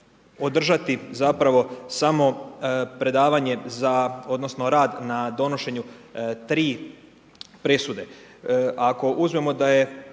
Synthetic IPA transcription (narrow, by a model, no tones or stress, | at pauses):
o̞d̪r̩ʒat̪izapɾaʋo̞samo̞pɾe̞d̪aːʋaɲe̞zao̞d̪no̞sno̞ɾaːd̪nad̪o̞no̞ʃe̞ɲut̪ɾiː | pɾe̞sud̪e̞ | ʔako̞ʔuzmemo̞d̪aje̞